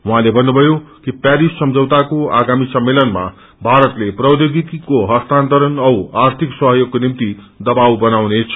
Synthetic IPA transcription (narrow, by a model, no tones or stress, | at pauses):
waɦãlebʱʌnːubʱʌjokipjaɾissʌmd͡zʌwt̪akoa̰ɡamisʌmːelʌnma̰ | bʱaɾʌt̪leprʌwd̪oɡik̪ikoɦʌst̪ant̪ʌɾʌnʌwart̪ʰiksʌɦjoɡ̚konimt̪i | d̪ʌbawbʌnawnet͡sʰ